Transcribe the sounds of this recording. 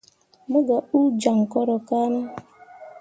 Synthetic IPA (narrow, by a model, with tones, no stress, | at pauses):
mʊ˦ɡa˨u˦d͡ʒa˨ŋ̩˨kɔ˦ɾɔ˨ka˦na˦